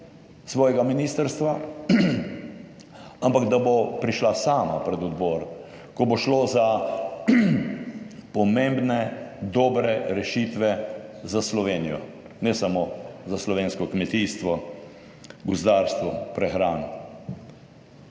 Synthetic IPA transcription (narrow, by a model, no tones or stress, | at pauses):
sʋɔːjɛɡaminiːst̪əɾst̪ʋa | ampaɡd̪abopɾiʃlasaːmapɾɛd̪ɔd̪bɔːɾ | kɔboʃloːza | pɔmẽmbnɛd̪ɔːbɾɛɾɛʃit̪ʋɛzaslɔʋeːnijɔ̰ | nɛsamoːzaslɔʋeːnskɔkmɛt̪iːst̪ʋɔ | ɡɔzd̪aːɾst̪ʋɔpɾɛxɾaːn